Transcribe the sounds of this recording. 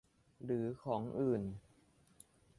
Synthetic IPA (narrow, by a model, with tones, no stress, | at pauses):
ɾɯː˩˦kʰɔː˩˦ŋʔɯː˨˩n